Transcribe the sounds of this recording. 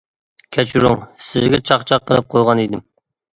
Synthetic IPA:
kʲʰɛt͡ʃʰɾʊŋsɪzɡʲɛt͡ʃʰɑqt͡ʃʰɑqʰːəlˠɨp̚qʰojʁɑnid̪ɪm

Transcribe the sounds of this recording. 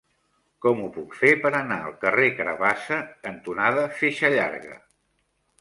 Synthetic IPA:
kɔmupukfepəɾənaəlˠkərekɾə̰βasəənt̪unaðəfeʃəʎa̰ɾɣə̰

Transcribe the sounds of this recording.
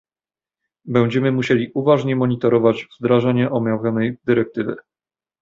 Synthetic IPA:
bɛw̃d͡ʑɛmɘmuɕelʲiʔuvaʐɲɛmɔɲit̪ɔɾɔvad͡ʑvzd̪ɾaʐaɲɛʔɔmʲjavʲjɔnɛjd̪ɘɾɛk̚t̪ɘvɘ̰

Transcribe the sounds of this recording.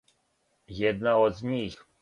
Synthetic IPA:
jɛd̪̚naɔd̪zɲix

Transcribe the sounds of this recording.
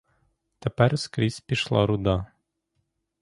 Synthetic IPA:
t̪æpæɾskɾʲispʲiʃlˠɑ̰ɾud̪ɑ

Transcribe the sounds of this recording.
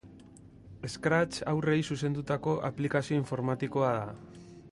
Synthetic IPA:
e̞skɾat͡ʃa̰wre̞jsuse̞nd̪ut̪ako̞ʔa̰plikasio̞iɱfo̞ɾmat̪iko̞aða

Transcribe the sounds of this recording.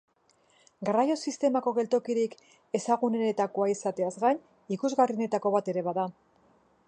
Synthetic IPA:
ɡarajo̞sist̪e̞mako̞ɣe̞lt̪o̞kiɾik | e̞saɣunenet̪ako̞aisat̪e̞azɣajɲ | ikuzɣarine̞t̪ako̞βat̪e̞ɾe̞βaða

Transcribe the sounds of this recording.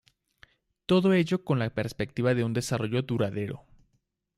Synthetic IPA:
t̪o̞ðo̞e̞ʝo̞ko̞nlape̞ɾspe̞k̚t̪iβaðe̞und̪e̞saro̞ʝo̞ðuɾaðe̞ɾo̞̰

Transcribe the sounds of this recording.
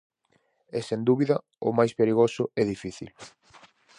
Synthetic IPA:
ɛsend̪uβiðɐ | ʊ̰majspeɾiɣosʊɛðifiθḭl

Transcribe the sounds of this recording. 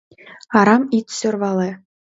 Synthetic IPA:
ɑɾɑmit̪ʲsø̆rʋɑlˠe

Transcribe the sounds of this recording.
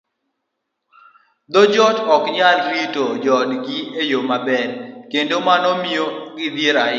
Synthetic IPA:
d̪ɔd͡ʒɔtɔkɲalɾitod͡ʒɔdɡɪejomabɛɾkendomanɔmioɡɪd̪jeɾaɪ

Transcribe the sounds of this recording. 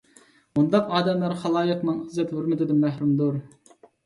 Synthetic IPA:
mund̪ɑqɑːd̪ɛmlæɾχɑlˠɑːjəqnɨŋəzɛt̪høɾmɪd̪ɪd̪ɪmːæhɾumd̪uɾ

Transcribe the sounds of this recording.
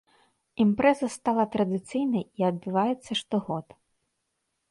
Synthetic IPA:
impɾɛzɐst̪ɑlˠɐt̪ɾɐd̪ɪt̪sɨjnɐjiɐd̪̚bɪʋɑjɛt̪sːɐʂt̪ɔɣɔt̪

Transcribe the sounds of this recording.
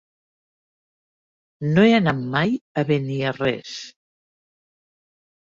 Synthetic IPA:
noeanammːajaβeniarɛ̰s

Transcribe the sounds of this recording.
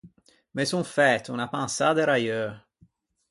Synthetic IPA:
mesunfɛt̪ːunapansad̪eɾajø

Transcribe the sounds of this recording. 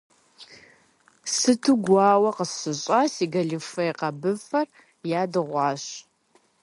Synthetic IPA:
sɨtʰɨɡʷɑːwɐqəsɕɨɕʼɑsiːɡɐɮɨfɐjqɐbɨfɐr | jaːdɨʁʷɑːɕ

